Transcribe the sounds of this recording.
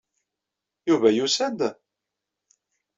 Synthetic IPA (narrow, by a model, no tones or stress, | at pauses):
juvæjusænd̪